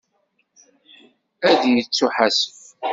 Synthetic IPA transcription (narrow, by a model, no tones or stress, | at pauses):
æðjət͡sːuħasf